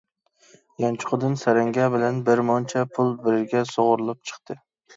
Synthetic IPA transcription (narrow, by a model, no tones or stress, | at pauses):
jɒnt͡ʃʰʊ̥qʰʊd̪ɨnsæɾaŋɡʲabɪlanbɪɾmɒnt͡ʃʰɛpʰʊlˠbɪɾɪɾɡʲɛsoʁʊɾɨlˠɪp̚t͡ʃʰɨ̥χt̪ʰɨ